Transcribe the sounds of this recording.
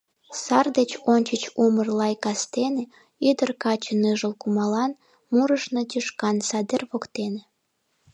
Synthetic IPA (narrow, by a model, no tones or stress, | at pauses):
sɑrd̪et͡ɕonʲt͡ɕət͡ɕumərlɑjkɑst̪ene | yd̪ərkɑt͡ɕənɨʒəlkumɑlɑn | muɾəʃnot̪iʃkɑnsɑd̪erβokt̪ene